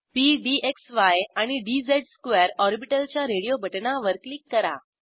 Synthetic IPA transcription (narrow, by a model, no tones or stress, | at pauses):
piɖiʔeksʋajaɽ̃iɖid͡zeʈskʋɛɾɔɾbiʈəlt͡ɕjaɾeɽijobʱəʈnaʋəɾkliːkːəɾa̰